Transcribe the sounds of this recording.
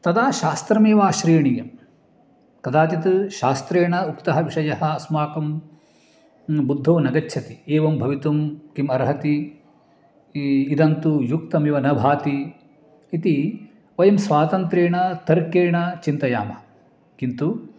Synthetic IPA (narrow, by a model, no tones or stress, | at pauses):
t̪ɐd̪aːʃaːst̪ɾɐmeːʋaːʃɾiːɳijɐm | k̪ɐd̪aːt̪it̪ɨʃaːst̪ɾeːɳɐukt̪ɐɦɐʋiʃɐjɐhɐ̆ɐsmaːkɐm | bud̪ʱːoːnɐɡɐtːʃʰɐt̪ieːʋɐmbʱɐʋit̪umkimɐɾɦɐt̪i | d̪ɐnt̪ujukt̪ɐmiʋɐnɐbʱaːt̪i | it̪i | ʋɐjɐmsʋaːt̪ɐnt̪ɾeːɳɐt̪ɐɾkeːɳɐt͡ʃint̪ɐja̰ːmɐ | kint̪u